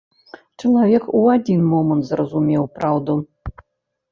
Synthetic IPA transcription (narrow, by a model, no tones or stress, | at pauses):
t͡ʂɐlˠavʲɛkuad͡zʲinmɔmənt̪zrɐzumʲɛwpɾawd̪u